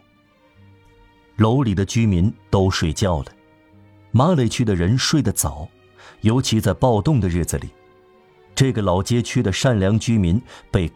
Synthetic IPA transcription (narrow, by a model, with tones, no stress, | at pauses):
lo˧˥ʊli˨˩d̪ə˦t͡ɕy˥mi˧˥nt̪o˥ʊʂwe˥˩ɪt͡ɕjɑ˥˩ʊlə˩ | ma˥le˧˩ɪt͡ɕʰy˥d̪ə˨ɻə˧˥nʂwe˥˩ɪd̪ə˩t͡sɑ˨˩˦ʊ | jo˧˥ʊt͡ɕʰi˧˥t͡sa˥˧ɪpɑ˥˧ʊt̪ʊ˥˩ŋd̪ə˩ɻɻ̩˥˩d͡zɹ̩˩lḭ˨˩˦ | ʈ͡ʂɤ˥˩ɡə˩lɑ˨˩ʊt͡ɕjɛ˥t͡ɕʰy˥d̪ə˨ʂa˥˩nljɑ˧˥ŋt͡ɕy˥mi˧˥npe˥˧ɪ